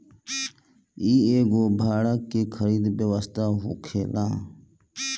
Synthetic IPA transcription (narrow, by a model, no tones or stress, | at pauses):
iːeːɡoːbʱaːɽaːkːeːkʰəɾiːd̪ʋjəʋəst̪aːɦoːkʰeːlãː